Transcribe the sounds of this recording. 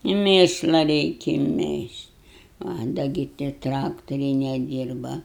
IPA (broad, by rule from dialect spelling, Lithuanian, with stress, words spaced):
ɪ ˈmʲeːʃlˠɐ ˈrʲɛɪkʲɪ ˈmʲeːʃʲtʲ ɐ ˈdɐ ɡʲɪ tʲiɛ ˈtrɑːktoːrʲɛɪ nʲɛˈdʲiːrbɐ